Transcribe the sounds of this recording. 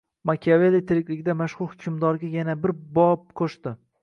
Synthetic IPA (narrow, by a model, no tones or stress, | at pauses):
makʲʰavelit̪ʰɪɾɪkʲlɪɡʲɪd̪amaʃχʊlˠhʊkʲʰʊmd̪ɒɾɡʲajanabɪɾbɒp̚qʰoʃt̪ɪ